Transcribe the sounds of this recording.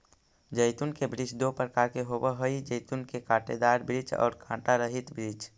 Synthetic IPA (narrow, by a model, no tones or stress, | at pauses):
d͡ʒəɪt̪unkebɾid͡ʒd̪opɾəkaːɾkeɦobəɦəid͡ʒəɪt̪unkekãːʈed̪aɾbɾiːd͡ʒɔ̰ːɾkʰãːʈaɾəɦit̪bɾiːd͡ʒ